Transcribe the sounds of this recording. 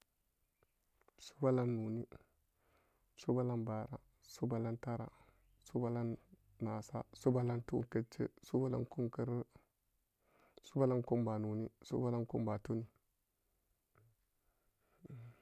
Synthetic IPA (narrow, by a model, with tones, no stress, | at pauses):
su̥˦ba˦la˦nːu˨ni˦ | su˦ba˦la˦nba˨ɾa˦ | su˦ba˨la˦nta˦ɾa̰˨ | su˦ba˦la˦nː | a˨sa̰˦su˦ba˦la˦ntṵ˦nkə˦t͡ʃːḛ˦su˦ba˦la̰˦nku˦mkə˦ɾ | su˦ba˦la˦nku˦mba˨nu˨ni˦sṵ˦ba˦la˦nku˦mba˨tu˦ni˦˨